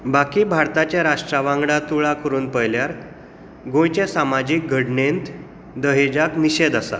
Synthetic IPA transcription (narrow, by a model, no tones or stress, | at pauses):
bakiːbʱaɾt̪at͡ɕaɾaʂʈɾaʋãŋɡɽãt̪uɭakəɾuːnpəjljaɾ | ɡõjt͡ɕesamad͡ʑiːk̚ɡʱəɽɳent̪ | d̪əɦed͡ʑakniɕed̪asa̰